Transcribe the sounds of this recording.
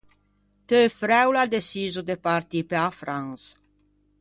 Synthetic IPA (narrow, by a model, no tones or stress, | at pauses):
t̪øfɾɛwlad̪esizod̪epaɾt̪ipeafɾaŋs